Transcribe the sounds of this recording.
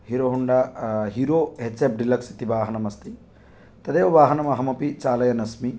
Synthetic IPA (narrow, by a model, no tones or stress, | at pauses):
ɦiɾoːɦuɳɖaɦiɾoːɦesep̚ɖilɐksi̥t̪iʋaːɦɐnɐmɐst̪i | t̪ɐd̪eːʋɐʋaːɦɐnɐmɐɦɐmɐpit͡ʃaːlɐjɐnɐsmi